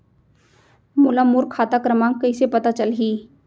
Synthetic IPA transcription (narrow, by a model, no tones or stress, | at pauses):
mʊlamʊɾkʰaːt̪akɾəmãːŋkɐɪsepɐt̪at͡ʃəlɦiː